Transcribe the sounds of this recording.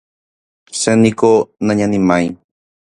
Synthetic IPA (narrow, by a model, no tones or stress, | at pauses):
senĩkonãɲãnĩmãj